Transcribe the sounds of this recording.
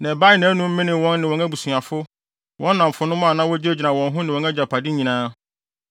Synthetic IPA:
nɛ̃˨ba˦ɪ˨˦nã˨˦nʊ̃˦m̩˦mĩ˦nɪ̃˨wɔ̃˦nːɪ̃˨wɔ̃˨˦næ˦bu˨su˨a˨fʊ˦ | wɔ̃˦nː˦ã˨m̩˨fʊ˦nʊ̃˦m˦a˨nã˦wɔ˦d͡ʑɪ˦e˦d͡ʑi˨nã˨wɔ̃˨nɦʊ̃˦nɪ̃˨wɔ̃˨˦nɛ˦d͡ʑa˨pʰa˨dɪ˦ɲĩ˨nãː˦

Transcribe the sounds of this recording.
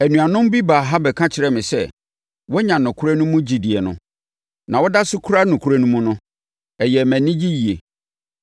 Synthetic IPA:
æ˨nũ˨a˨nʊ̃˦m˦bi˦baː˨ɦa˦bɛ˨kʰã˦t͡ɕʰɪ˨ɾɛ˨mɪ̃˨sɛ˦˨ | wɔ˦ɲã˨nʊ̃˨kʰʊ˦ɾa˦nʊ̃˦mʊ̃˦d͡ʑi˨di˨ɛ˨nʊ̰̃˦ | nã˨wɔ˦da˦sʊ˦kʰu˦ɾa˦nʊ̃˨kʰu˨˦ɾa˦nũ˦mʊ̃˦nʊ̃˦ | ɛ˨jɛ˨mæ̃˨nɪ̃˦d͡ʑi˦ji˨e˨

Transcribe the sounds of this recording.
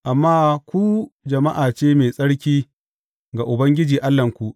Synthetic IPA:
ʔa˨mːaː˦kʷu˦d͡ʒɐ˨ma˦ʔaː˨t͡ʃeː˦meː˨sʼɐ˦ɽkʲiː˦ | ɡa˨ʔʊ˨bɐ˦ŋɡʲɪ˦d͡ʒiː˨ʔa˦lːɐ˨ŋkʷu˨ʔ

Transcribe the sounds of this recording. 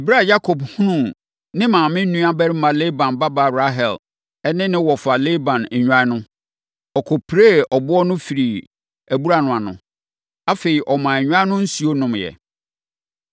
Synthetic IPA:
e˨bɾa˦˨ja˦kʰɔ˨bhũ˦nũ˦˨ | nɪ̃˦mãː˨mɪ̃˦n̩˦nːũ˦a˦bɛ˦ɾɪ˦mã˨le˦bã˨nba˦ba˨ɾa˦ɦɛ˨l | ɛ˦nɪ̃˦nɪ̃˦wɔ˨fa˨le˦bã˨nɛ˨ɲᶣu˦ã˦nʊ̃˦ | ɔ˨kʰɔ˨pʰɾe˦ɔ˨bʊ˦ɔ˦nʊ̃˦fi˨ɾi˨ | æ˨bu˦ɾa˨nʊ̃˨a˨nʊ̰̃˨ | a˦fe˨ɾi˨ʔɔ˨mã˨ɛ˨ɲᶣ˦ã˦nʊ̃˦n̩˦su˨˦o˦nʊ̃˨mjɛ̰˨

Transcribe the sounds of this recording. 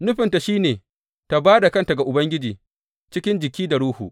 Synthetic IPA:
nʊ˦ɸɪ˨nta˨ʃiː˦neː˨ | ta˨baː˦da˨kɐ˦nta˨ɡa˨ʔʊ˨bɐ˦ŋɡʲɪ˦d͡ʒiː˨ | t͡ʃɪ˦kʲɪ˦nd͡ʒɪ˨kʲiː˦da˨ɽuː˦hṵː˨ʔ

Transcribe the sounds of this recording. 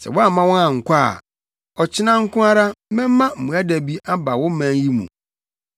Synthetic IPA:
sɛ̰˨wɔ̃˦a˦˨˦mã˦wɔ̃˦nã˨ŋ̩˨kʷa̰˦˨ | ɔ˨t͡ɕʰɪ˦nã˦ŋ̩˦kʊ̃˦a˦ɾa˦mɛ̃˦mː˦ã˦m̩˨mũ˨æ˦dæ˨bi˦a˦ba˨wʊ̃˦m̩˦mæ̃˨n˦ji˦mṵ̃˨

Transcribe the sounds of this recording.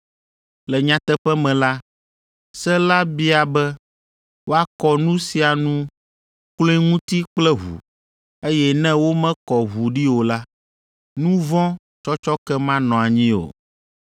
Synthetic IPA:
lɛ˨ɲã˨t̪ɛ˦ɸɛ˦mɛ̃˨la˦ | sɛ˦la˦bi˦a˨bɛ˦ | wo˦a˦kɔ˨nũ˦si˨a˨nũ˦ | klõ˦i˦ŋũ˦t̪i˦k͡plɛ˦ɦṵ˨ | e˦jɛ˦nɛ̃˦wo˦mɛ̃˦kɔ˨ɦu˨ɖi˦wo˨la˦ | nũ˦vɔ̃˦ | t͡ʃɔ˦t͡ʃɔ˦kɛ˦mã˦nɔ̃˨a˨ɲĩ˦o̰˨

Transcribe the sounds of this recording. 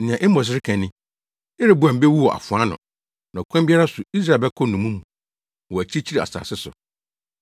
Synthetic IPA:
ɪ̃˨ã˨ʔe˦ɔ̃˨s̬ɪ˦ɾɪ˦kʰæ̃˨nːɪ̃˦ | ɪ˦ɾɪ˦bʊ˨˦a˨m̩˨˦be˦wu˦ɔ˨ʔa̰˨fʊ˨a˦nʊ̰̃˨ | nã˨kʰã˦mbi˦a˦ɾa˦sʊ˨i˦s̬ɾa˦˨bɛ˦kʰɔ˦nũ˨mũ˦mũ˨ | ɔ˨æ˨t͡ɕʰi˦t͡ɕʰi˦ɾi˨a̰˨sa̰ː˨sɪ˦sʊ̰˨

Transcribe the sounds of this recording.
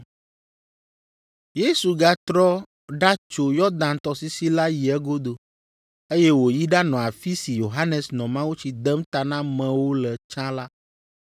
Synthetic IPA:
je˦su˨ɡa˦t̪ɾɔ˦ | ɖa˦t͡ʃo˨jɔ˦d̪ã˨nt̪ɔ˨si˦si˦la˦ji˨ɛ˦ɡo˦d̪o˨ | e˦jɛ˦wo˨ji˦ɖa˦nɔ̃˨a˨fi˦si˨jo˨ɦa˦nɛ˨snɔ̃˨mã˦wu˦t͡ɕi˨d̪ɛ˦mt̪a˨nã˦mɛ̃˨wo˦lɛ˨t͡ʃã˦la˦

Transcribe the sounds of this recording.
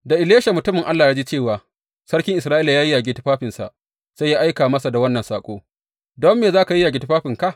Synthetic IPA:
da˨ʔɪ˨leː˦ʃa˨mʊ˨tʊ˦mɪ˨ŋʔa˦lːaː˨ja˦d͡ʒiː˦t͡ʃeː˦˨waː˨ | sɐ˦ɽkʲɪ˦ŋʔɪ˨sɾaː˦ʔiː˦la˨jaː˦ji˦jaː˨ɡʲɪ˦tɪ˦ɸaː˦ɸɪ˨nsa̰˨ʔ | sa˦jaː˦ʔa˦jkaː˨mɐ˦sa˨da˨wɐ˦nːɐ˨nsaː˨kʷʼo̰ː˦ | dɔ˦mːeː˨zaː˦ka˨ji˦ja˨ɡʲɪ˦tɪ˦ɸaː˦ɸɪ˨ŋka˦˨ʔ

